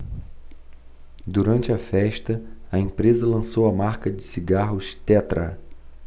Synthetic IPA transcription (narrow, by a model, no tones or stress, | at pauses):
d̪uɾɐ̃nt͡ʃɪɐfɛʃt̪ɐɐẽmpɾezɐlɐ̃sowɐmaɾkɐd͡ʒɪsiɡaɦʊst̪ɛt̪ɾɐ̰